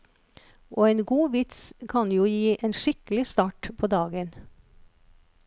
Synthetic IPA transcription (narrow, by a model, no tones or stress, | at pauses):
ʔoːeːnɡuːʋɪt̪skʰɑnjuːjiːʔeːnʃɪklɪst̪ɑːʈpʰoːd̪ɑːɡən